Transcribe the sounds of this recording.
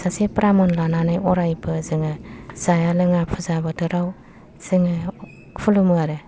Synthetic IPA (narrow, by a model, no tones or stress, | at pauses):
sasepɾamɔnlananɯjɔɾajbɯzɯŋɯz̥ajalɯŋapʰɯzabɯtɯɾaw | z̥ɯŋɯ | pʰulumuaɾɯ